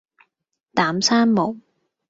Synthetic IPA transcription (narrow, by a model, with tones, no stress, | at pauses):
t̪aː˨˥msaː˥nmo˨˩˦w